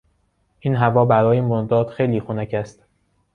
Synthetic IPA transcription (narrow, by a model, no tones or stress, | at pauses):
ʔiːnɦævɒːbæɾɒːjemoɾd̪ɒːd̪̥xe̞jliːxunæcʰæst̪